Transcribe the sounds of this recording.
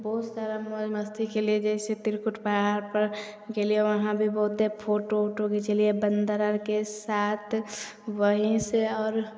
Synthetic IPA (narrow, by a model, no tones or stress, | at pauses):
bɔɦut̪saɾamod͡ʒməst̪ʰikelied͡ʒɛɪset̪iɾkuʈʰpəɦaɾpəɾ | kelieʋəɦãbʱibɔɦut̪̚d̪epʰoːʈoʈoket͡ʃəliebənd̪əɾəɾkesaːt̪ʰ | ʋəɦiseɔːɾ